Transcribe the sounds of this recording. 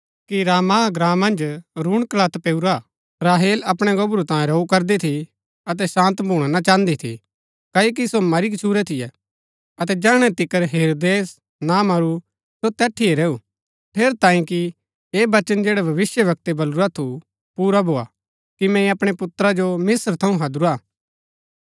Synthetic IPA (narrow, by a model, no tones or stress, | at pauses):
kiɾaːmaɡɾãːmɐ̃nd͡ʒɾuːɽ̃klat̪peːuɾa | ɾaːɦeːlɐpɽ̃eɡɐbɾut̪ãːẽɾɐukɐɾd̪et̪ʰi | ɐt̪̬ɛsãːnt̪bʱuːɽ̃anat͡ʃãːnd̪it̪ʰḭ | kɐːok̬isomɐɾik̬ɪt͡ʃʰuːɾɛt̪ʰɪjɛ | ɐt̪ɛd͡ʒaːɽ̃ɛt̪ɪkːəɾɦeːɾoːd̪eːs | namɐɾu | sot̪ɛːʈʰːieɾɛːu | pʰeːɾt̪ãːĩki | eːbɐt͡ʃənd͡ʒeːɽɛbʱɐʋɪsjəʋɐk̚t̪ebɐluɾat̪ʰu | puːɾabʱoːa̰ | kimɛ̃ĩɐpɽ̃epʊt̪ɾad͡ʒomɪsəɾt̪ʰɐũɦɐd̪ɾuɾaː